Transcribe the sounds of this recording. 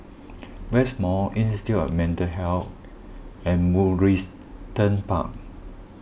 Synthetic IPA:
wɛsmɔĩnsitiɔ̰vmɛ̃ntəɦɛlt | ɛ̃nmuɹis | tə̃npa̰k̚

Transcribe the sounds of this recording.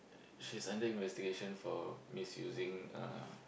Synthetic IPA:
ʃisãndəĩnvɛstiɡeʃə̃nfɔmisjṵzĩŋa̰

